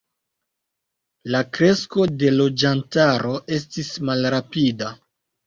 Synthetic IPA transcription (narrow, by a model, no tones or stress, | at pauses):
lakɾe̞sko̞de̞lo̞d͡ʒantaɾo̞ʔe̞stismalɾapida